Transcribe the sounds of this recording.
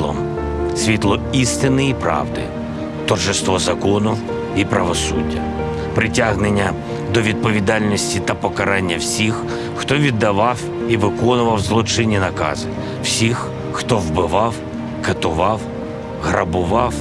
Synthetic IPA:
ɔ̰ | sʲʋʲit̪lˠɔist̪ɪnɪipɾɑ̰wd̪ɪ̰ | t̪ɔrʒɪst̪ʋɔzɐkɔnʊ | ipɾɐʋɔsṵdʲːɐ̰ | pɾɪtʲaɦnɪnʲːɐ | d̪ɔʋʲid̪̚pɔʋʲid̪ɑlʲnʲɔsʲtʲit̪ɐpɔkɐɾɑnʲːɐwsʲixː | t̪ɔʋʲid̪ːɐʋɑw | iʋɪkɔnʊʋɐwzlˠɔt͡ʃɪnʲinɐkɑ̰zɪ | wsʲix | xt̪ɔwbɪʋɑw | kɐt̪ʊʋɑw | ɦɾɐbʊʋɑw

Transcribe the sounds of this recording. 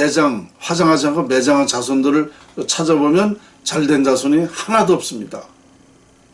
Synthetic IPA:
ed͡ʑaŋɸwad͡ʑaŋɦad͡ʑiankʰome̞d͡ʑaŋant͡ɕasʰondɯɾɯɭ | t͡ɕʰad͡ʑʌbomjʌn | t͡ɕaɭdwe̞nd͡ʑasʰuɲihanadoʌp̚s͈ɯmɲida

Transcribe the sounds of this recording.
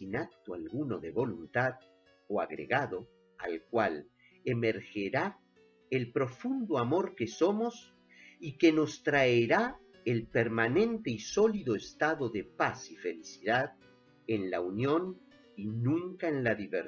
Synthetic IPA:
sinak̚t̪oalɣuno̞ðeβo̞lunt̪að | oaɣɾḛɣaðo̞ | a̰lkwal | emeɾxeɾa | elpɾo̞fund̪oamo̞ɾkeso̞mo̞s | ikeno̞st̪ɾaeɾa | elpeɾmanẽ̞nt̪e̞iso̞liðoest̪aðo̞ðepasifelisiðað | enlaunjo̞n | inũŋkaenlaðiβeɾ

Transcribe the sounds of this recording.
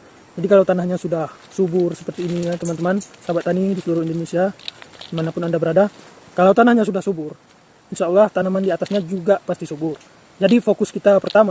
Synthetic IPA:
d͡ʒadikalawt̪anahɲasudah | subʊrsə̥pərt̪iːnijat̪əmant̪əmansabat̪anidisəluɾʊhindonesiamanapʊnandabəɾada | kalawt̪anahɲasudahsubʊr | inʃaulːaht̪anamandiat̪asɲad͡ʒuɡapast̪isubʊr | d͡ʒadifokʊskit̪apərt̪ama

